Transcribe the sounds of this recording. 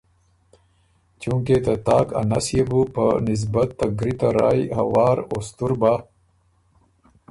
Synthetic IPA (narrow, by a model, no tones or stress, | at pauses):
t͡ʃuŋket̪at̪aːka̰nasjebupənɪs̬bɐt̪ːɐɡɾit̪aɾa̰ːjhɐ̰waːɾost̪uɾba